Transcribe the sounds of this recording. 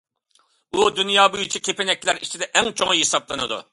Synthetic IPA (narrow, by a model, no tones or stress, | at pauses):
ud̪ynjɑːbujit͡ʃʰikʲʰepenɛkʲlæɾit͡ʃʰid̪ɛʔɛŋt͡ʃʰoŋɦesɑblˠɨnɨd̪ṵ